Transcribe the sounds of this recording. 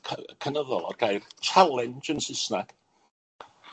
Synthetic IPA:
əkʰənəðɔlˠɔ̰ɡajrt͡ʃʰalˠɪnd͡ʒənsɪsnaɡ̥

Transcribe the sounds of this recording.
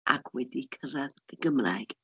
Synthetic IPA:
ʔakʰwɛdikʰəɾaðəɡəmra̰jɡ̥

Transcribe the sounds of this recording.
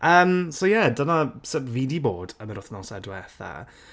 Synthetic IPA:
ʔəːmsojɛdənasəvidiboːdəməɾʊθnɔsɛdwɛθa̰

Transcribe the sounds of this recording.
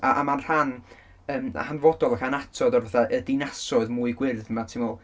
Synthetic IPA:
aʔamanr̥an | əːm̰hanvɔdɔlˠaxanatʰɔdɔrvaθaʔədɪnasɔɨðmuɨɡwɪrθmatʰɪmɔlˠ

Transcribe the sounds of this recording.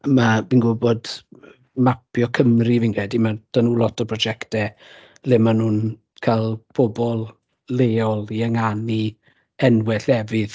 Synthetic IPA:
mabinɡʊbɔd | mapjɔkʰəmrivinkʰɛdimad̥anuːlɔtʰɔpʰrɔd͡ʒɛktɛ | lɪmanuːn | kʰalˠpʰɔbɔlˠ | leːɔlˠiəŋani | ɛnwɛɬɛvɨð

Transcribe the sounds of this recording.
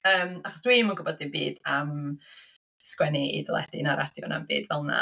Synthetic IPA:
əːmaχɔsd̥wimənɡʊbɔdɪbiːdam | skwɛniḭdəlˠɛ̰d̥inaɾʔad̥jɔ̰na̰mbḭːdvɛlˠna̰

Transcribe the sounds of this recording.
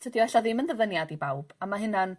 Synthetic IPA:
tʰədiɔɛɬaðɪmənðəvənjadibawb̥amaɦɪnan

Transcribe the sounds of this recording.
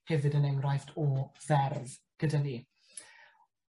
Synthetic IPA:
ɛvɨdənɛŋrajθtʰɔvɛrv | ɡ̥ədaniː

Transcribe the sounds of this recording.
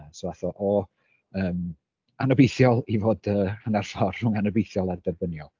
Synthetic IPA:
sovaθɔʔɔ | əːm | anɔbejθjɔlˠivoːdəːhənarfɔrːʊŋanəbejθjɔlˠardɛrbənjɔlˠ

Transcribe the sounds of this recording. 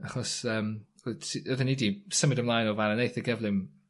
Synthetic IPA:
aχɔsəːm | usiəðənidisəmɪdəmlˠajnɔvaɾənejθəɡɛvlˠɪm

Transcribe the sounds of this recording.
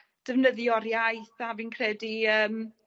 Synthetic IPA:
d̥əvnəðjɔɾjajθavinkʰrɛdiəːm

